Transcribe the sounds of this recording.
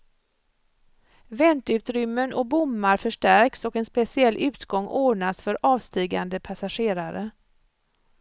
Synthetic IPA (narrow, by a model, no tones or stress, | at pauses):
vɛnt̪ʉ̟ːt̪ɾʏmːənʔɔk̚bʊmːaɾfœʂʈæɾksɔkɛnspɛsɪɛlːʔʉ̟ːt̪ɡɔŋːʔoːɳasfœɾʔɑːvst̪iːɡa̰nd̪əpʰasaɧeːɾaɾə